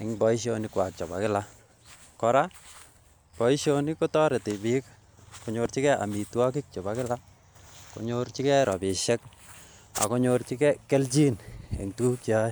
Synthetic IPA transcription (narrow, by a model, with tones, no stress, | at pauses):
e˨ŋbɔ˦i˦ʃ̬oni˦kwa˨k̚t͡ʃɔ˨ba̰˨kɪ˦la˦ | kɔ˨ɾa˦ | bɔ˨i˦ʃoniko˦tɔ˦ɾɛ˨tɪ˨bi˦k | ko˨ɲo˧ɾt͡ʃi˦kɛ˦a̰˨mi˨twa˦k̬ɪ˦k̚t͡ʃɔ˨bakɪ˦la˦ | ko̰˨ɲoɾt͡ʃi˦kɛ˦ɾɔ˨bɪ˨ʃɛ˦k | a̰˨ko˦ɲo˧rt͡ʃi˦kɛ˦kːɛ˦lt͡ʃi˦nḛ˨ŋtu˦kt͡ʃa˦j